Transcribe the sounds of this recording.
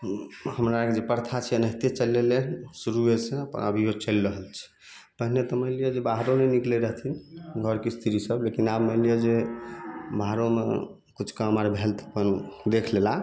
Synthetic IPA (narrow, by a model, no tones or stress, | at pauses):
həmɾaked͡ʒepəɾt̪ʰat͡ʃʰiənəɦt̪et͡ʃəlːelesuɾuesẽəpə̰nəbʱijot͡ʃəlɾəɦəlt͡ʃʰɛ̥ | pəɦnet̪ɔməlijod͡ʒebaɦɾonenikleɾəɦt̪ʰinɡʱəɾkest̪ʰiɾisəblekinabməlijod͡ʒe | baɦɾomḛ | kut͡ʃʰkaməɾbʱelt̪ʰə̥pənd̪ekʰlela